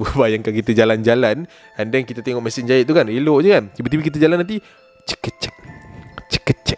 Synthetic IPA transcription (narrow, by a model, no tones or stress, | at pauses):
ubajaŋkakit̪əd͡ʒaland͡ʒalan | andɛŋkit̪ət̪eŋɔʔmasɪŋd͡ʒaɪʔt̪ukanelɔʔd͡ʒəkand͡ʒibət̪ibikit̪̬əd͡ʒalanːant̪̬i | t͡ʃə̥kət͡ʃɛ̥k̚t͡ʃə̥kət͡ʃɛk̚